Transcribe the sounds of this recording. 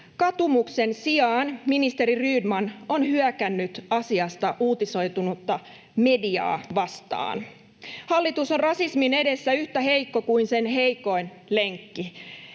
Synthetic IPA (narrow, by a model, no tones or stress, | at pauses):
kɑt̪umukse̞nsiɑːnminist̪e̞ɾiryːdmɑno̞nhyækænːyt̪ɑsiɑst̪ɑʔuːt̪iso̞jt̪unut̪ːɑ | me̞diɑ̰ːʋɑst̪ɑ̰ːn | hɑlːit̪usorrɑsismine̞de̞sːæyht̪æhe̞ikːo̞kuinse̞nɦe̞jko̞jn | le̞ŋkːi